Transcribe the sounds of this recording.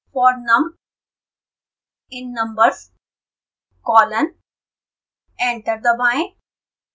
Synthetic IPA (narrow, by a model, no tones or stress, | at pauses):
fɔːɾnə̃m | ɪ̃nːʌ̃mbəɾs | kɔːlə̃n | ẽɳʈəɾd̪əʋãɪ̃n